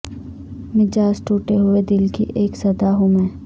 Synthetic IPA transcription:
mɪd͡ʒaːsʈuːʈeɦʊed̪ɪlkḭʔeːksɐd̪aɦũmɛ̃ː

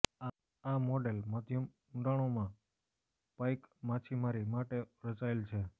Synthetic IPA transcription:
mɔɖelməd̪ʱjəm | uɖaɭ̃omã | pajkmat͡ʃʰimaɾimaʈeɾət͡ʃaelt͡ʃʰe

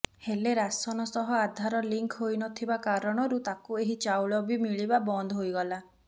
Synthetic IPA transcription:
heleɾasɔnɔsɔɦɔad̪ʱaɾɔliŋkʰɦojnɔt̪ʰibakaɾɔɽ̃ɔɾut̪akueɦit͡ʃawɭɔbimiɭibabɔnd̪ɔɦojɡɔla

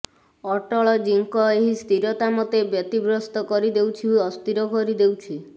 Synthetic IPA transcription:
ɔʈɔɭɔd͡ʒiŋkɔeɦist̪iɾɔt̪amɔt̪ebjɔt̪ibɾɔst̪ɔkɔɾid̪ewt͡ʃʰiuɔst̪iɾɔkɔɾid̪ewt͡ʃʰi

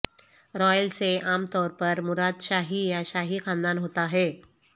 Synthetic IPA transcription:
ɾɔjəlt͡seamt̪ɔɾpəɾmuɾad̪ɕaɦiːjaɕaɦiːxãnd̪anɦot̪aɦe

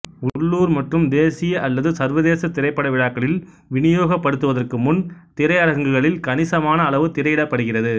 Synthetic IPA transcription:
ʊɭːuːɾmɐʈrɯmd̪eːsɪjɐʔɐlːɐðɯsɐɾʋɐðeːsɐt̪ɪɾɐɪpːɐɽɐʋɪɻaːkːɐɭɪl | ʋɪnɪjoːɣɐpːɐɽɯt̪ːɯʋɐðɐrkɯmʊnt̪ɪɾɐɪɐɾɐɣɐŋɡɯɣɐɭɪlkɐnɪsɐmaːnɐːɭɐʋɯt̪ɪɾɐɪɪɽɐpːɐɽɯɣɪrɐðɯ

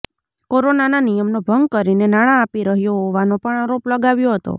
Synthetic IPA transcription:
koɾonananijəmnobʱəŋɡ̚kəɾinenaɽ̃ãːpiɾəɦjoɦoʋanopəɳaɾopləɡaʋjoɦət̪o̰

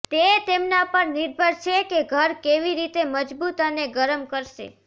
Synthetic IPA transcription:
t̪et̪emnapəɾniɾbʱəɾt͡ʃʰekeɡʱəɾkeʋiɾit̪eməd͡ʒbut̪əneɡəɾəmkəɾʃḛ

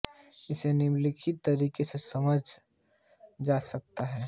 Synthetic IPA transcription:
ɪsenɪmlɪkʰit̪ːəɾiːkesesɐməd͡ʒʱ | d͡ʒaːsɐk̚t̪aɦɛː

